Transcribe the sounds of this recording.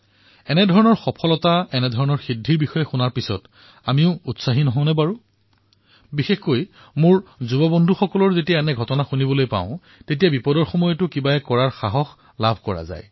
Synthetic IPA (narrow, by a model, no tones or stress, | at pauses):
ɛnɛdʱɔɹɔnɔɹxɔpʰɔlɔtaɛnɛdʱɔɹɔnɔɹxidʱːiɹbixɔjɛxunaɹpisɔ̰t | amiʊ̃utsaɦinɔɦɔ̃ʊ̃nɛbaɹu | bixexkoj | mʊɹzubɔbɔndʱuxɔkɔlɔɹzetijaɛnɛɡʱɔtɔnaxunibɔlojpã̰ʊ̃ | tet̬ijabipɔdɔɹxɔmɔjɔtʊkibaɛkɔɹaɹxaɦɔx | labʱkɔɹa̰za̰j